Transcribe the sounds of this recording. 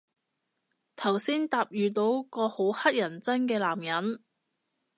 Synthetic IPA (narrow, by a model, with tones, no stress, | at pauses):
t̪ʰɐ˨˩wsiː˥nt̪aː˧p̚jyː˨t̪̬o˨˧˥wkɔː˧ho˨˥whɐ˥t̚jɐ˨˩nt͡sɐ˥nkɛː˧laː˨˩mjɐ˨˥n